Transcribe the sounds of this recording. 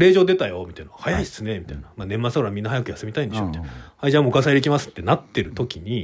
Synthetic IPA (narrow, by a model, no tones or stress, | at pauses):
ɾe̞ːʑo̞ːd̪e̞t̪ajo̞mit̪ainahajaisɨne̞mʲit̪ainamaːnẽ̞mːat͡sɨaɾamʲĩnːahajakɯ̟jasɨmʲit̪aĩnd̪eɕomit̪aaiʑãmokas̬aid̪e̞kʲimasɨ̥t̪ːe̞nat̪ːe̞ɾɯ̟t̪o̞kʲiɲ̟i